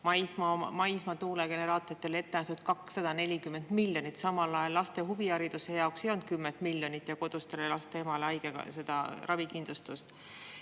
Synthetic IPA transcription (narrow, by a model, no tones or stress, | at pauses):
mɑjsmɑmɑjsmɑt̪uːleɡ̥e̞ne̞ɾɑːt̪ˑoɾit̪ːˑe̞le̞t̪ːe̞næht̪ud̪̥̚kɑksːɑd̪̥ɑne̞lʲikymːe̞nd̪̥milʲjo̞nit̪ːˑsɑmɑlɑjelːɑst̪e̞ɦuviɑɾid̪̥use̞jɑoksjont̪̚kymːent̪ˑmilʲːjo̞nit̪ːˑjɑko̞d̪̥ust̪e̞lelɑst̪eemɑleɑjɡ̥eɡɑ̰se̞d̪̥ɑrʔɑvikind̪lust̪ust̪